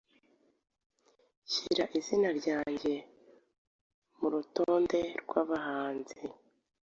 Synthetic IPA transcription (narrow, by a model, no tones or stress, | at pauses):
ciɾaʔizinaɾɟaːɲɟe̞ | muɾutoːnde̞ɾɡwaːβahaːnzi